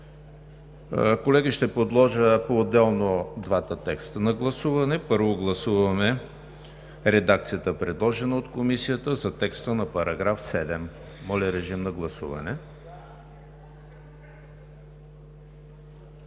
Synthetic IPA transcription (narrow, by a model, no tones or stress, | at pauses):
kolɛɡiʃt̪ɛpod̪lˠɔʒəpoːd̪ɛlˠnod̪vat̪ət̪ɛkst̪ənɐɡlˠɐsuvɐnɛpɤɾvoɡlˠɐsuvɐmɛ | ɾɛd̪akt̪sijət̪əpɾɛd̪lˠɔʒɛnəot̪komisijət̪əzɐt̪ɛkst̪ənɐpɐɾɐɡɾafsɛd̪ɛmː | ɔlʲɐɾɛʒimnɐɡlˠɐsṵvɐ̰nɛ